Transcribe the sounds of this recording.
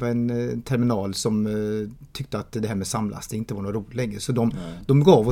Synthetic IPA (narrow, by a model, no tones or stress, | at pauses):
aɾɛnt̪ʰɛɾmɪnɑːlsɔm | t̪ʰʏk̚t̪əat̪d̪ɛɦæːɾmɛsamlʔa̰sd̪ɛɪnt̪əvaɳoːɾuːlɪlɛŋːɾəsɔd̪ɔmd̪̥ɔmɡɑːvɔ